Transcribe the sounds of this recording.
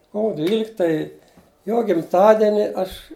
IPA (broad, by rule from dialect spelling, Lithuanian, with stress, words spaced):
ˈkoːʋʊ ˈdʲʋʲiːlʲɪktɐ ɪ ˈjoː ɡʲɪmˈtɑːdʲɛnʲɪ ˈɐʃ